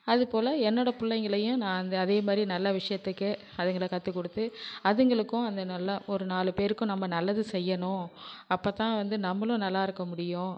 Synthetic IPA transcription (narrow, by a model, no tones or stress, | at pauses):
ɐðɯpoːlɐɛnːɔɽɐpʊlːɐŋɡɐɭɐjʊ̃nãːɐnd̪ɐɐðeːmaːd̪ɾinɐlːɐʋɪʂɐjɐt̪ːɯkːɯ | ɐðɐŋɡɐɭɐkɐt̪ːɯkːɔɽɯt̪ːɯɐðɯŋɡɐɭɯkːʊ̃ɐnd̪ɐnɐlːɐʔɔɾɯnaːlɯpeːɾɯkːʊ̃nɐmːɐnɐlːɐðɯsɛjːɐɳʊ̃ɐpːoːt̪ãːʋɐnd̪ɯnɐmːɐlʊ̃nɐlːaːɪɾɯkːɐmʊɽɪjʊ̃